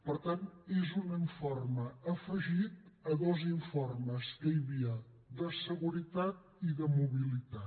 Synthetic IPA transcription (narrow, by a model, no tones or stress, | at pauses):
pəɾt̪anezuniɱforməːfəʒit̪əðoziɱforməskəiβiə | d̪əsəɣuɾit̪at̪̚ | iðəmuβilit̪a